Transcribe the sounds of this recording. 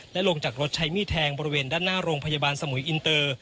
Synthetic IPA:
lɛ˦˥ʔlo˧ŋt͡ɕaː˨˩k̚ɾo˦˥t̪̚t͡ɕʰa˦˥jmiː˥˩t̪ʰɛː˧ŋbɔː˧ɾi˧weː˧ndaː˥˩nːaː˥˩ɾoː˧ŋpʰa˧jaː˧baː˧nsa˧mu˩˦jʔi˧nt̪ɤː˧

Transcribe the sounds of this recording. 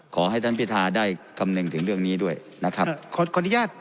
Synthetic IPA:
kʰɔː˩˦ɦa˥˩jt̪ʰa˥˩npʰi˦˥t̪ʰaː˧daː˥˩jka˧mne˧ŋt̪ʰɯ˩˦ŋɾɯ˥˩əŋniː˦˥du˥˩əj | na˦˥kʰa˦˥pkʰːkʰɔː˧ni˦˥jaː˥˩t̪̚

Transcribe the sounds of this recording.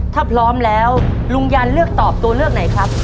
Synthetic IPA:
t̪ʰaː˥˩pʰɾɔː˦˥mlɛː˦˥w | lu˧ŋjaː˧nlɯ˥˩ək̚t̪ɔː˨˩p̚t̪u˧ɐlɯ˥˩ək̚na˩˦jkʰɾa˦˥p̚

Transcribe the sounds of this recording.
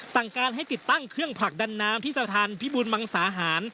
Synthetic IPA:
sa˨˩ŋkaː˧nɦa˥˩jt̪i˨˩t̪ːa˥˩ŋkʰɾɯ˥˩əŋpʰɾa˨˩k̚da˧nːaː˦˥mt̪ʰiː˥˩sa˧t̪ʰaː˧npʰi˦˥buː˧nma˧ŋsaː˩˦ɦaː˩˦n

